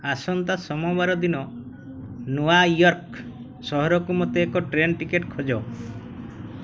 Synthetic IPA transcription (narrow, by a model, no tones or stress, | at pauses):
asɔnt̪asɔmɔbaɾɔd̪inɔ | nuajɔɾk | sɔɦɔɾɔkumɔt̪eːkɔʈɾenʈikeʈkʰɔd͡ʒɔ